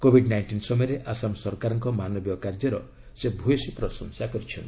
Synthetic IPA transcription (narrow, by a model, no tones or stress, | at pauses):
kobʱiɖnajnʈinsɔmɔjɔɾeʔasamsɔɾɔkaɾɔŋkɔmanɔbijɔkaɾd͡ʒɔɾɔ̰ | sebʱujɔsipɾɔsɔŋsakɔɾit͡ʃʰɔnt̪